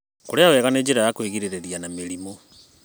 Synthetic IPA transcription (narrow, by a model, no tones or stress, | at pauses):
koɾeawɛɣaneːd͡ʑeɾajakweɣiɾeɾeɾianameɾimo